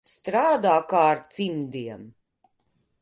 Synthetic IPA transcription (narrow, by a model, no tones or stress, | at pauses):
st̪ɾaːd̪aːkaːaɾt̪simd̪iɛm